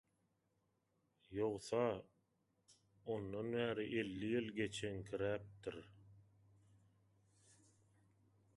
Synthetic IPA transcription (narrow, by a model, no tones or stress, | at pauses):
joʁθɑ | onːɑnβæːɾiʔe̞lːijilɡe̞t͡ʃʰenkʰiɾæp̚t̪iɾ